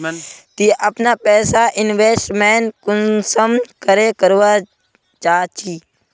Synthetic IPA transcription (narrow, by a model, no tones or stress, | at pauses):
t̪iʔapnapɛːsaʔɪnʋeːsʈmeʈkʊnsəmnkəɾekəɾʋa | d͡ʒaːt͡ʃiː